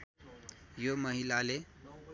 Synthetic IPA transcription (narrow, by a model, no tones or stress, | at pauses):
joməɦilale